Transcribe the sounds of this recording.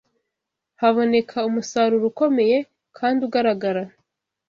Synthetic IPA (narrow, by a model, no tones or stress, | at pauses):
haβo̞ne̞kʰaumusaɾuɾuko̞me̞je̞ | kʰaːndiuɡaɾaɡaɾa